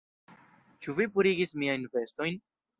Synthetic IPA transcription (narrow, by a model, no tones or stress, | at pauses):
t͡ʃuvipuɾiɡismiajnve̞sto̞jn